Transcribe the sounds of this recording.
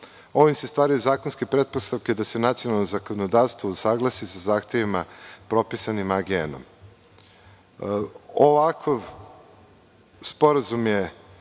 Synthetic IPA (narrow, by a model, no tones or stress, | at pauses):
o̞ʋimse̞st̪ʋaːɾajuzaːkonskepɾe̞d̪̚post̪aʋked̪ase̞nat̪sio̞nalˠnozako̞nod̪aːɾst̪ʋousaɡlˠasisazaːxt̪e̞ʋimapɾo̞pisanimaɡeno̰m | oʋakʰaʋ | spo̞ɾazumje